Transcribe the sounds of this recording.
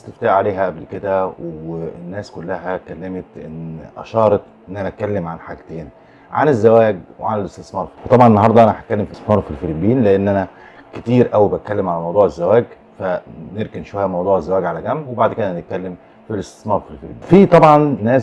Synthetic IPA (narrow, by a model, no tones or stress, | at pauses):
st̪eft̪aːʕaleːɦæʔæblked̪æwenːæːskolːæɦækælːæmet̪ʔḛnʔæ̰ʃɑːɾˤɑt̪ʔenːʔænæt̪̚kælːemʕanħaɡt̪eːn | ʕa̰nezːæwæːɡwḛʕanelest̪esmɑːɾˤfiwet̪ˤɑbʕɑnenːɑɦɑɾˤd̪ˤɑʔænæħæt̪̚kælːemfismɑːɾfilfelibiːnleʔenːʔænæ | ket̪iːɾʔæwibæt̪̚kælːemʕalæmɑwd̪ˤuːʕezːæwæːɡ | fæneɾkenʃowæjːæmɑwd̪ˤuːʕezːæwæːɡʕalæɡæmːwebaʕd̪ked̪ænet̪̚kælːem | filest̪e̥smɑːɾˤfilfelibifit̪ˤɑbʕɑnːæːs